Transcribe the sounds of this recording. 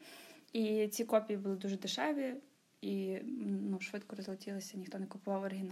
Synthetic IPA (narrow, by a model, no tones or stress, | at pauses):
it͡sʲikɔpʲijibʊlˠɪd̪uʒɛd̪eʃɛʋʲi | inuʃʋɪt̪kɔɾɔzlˠɐtʲilˠɪsʲɐnʲixt̪ɔnɛkʊpʊʋɑwɔɾɪɦʲɪn